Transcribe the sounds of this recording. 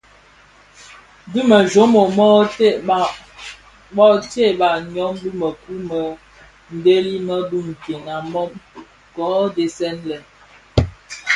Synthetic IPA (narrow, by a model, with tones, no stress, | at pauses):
bu˦mə˨ʒo˦mo˨mɔ˦t | bɔ˦te˦˨ba˨ɲɔ˨˦mbu˦mə˨ku˦mə˨ | n̩˨de˦li˦mə˦bu˦m̩˨ke˨na˨mɔ˦m | kɔ˨˦de˨sɛ˦nlɛ˨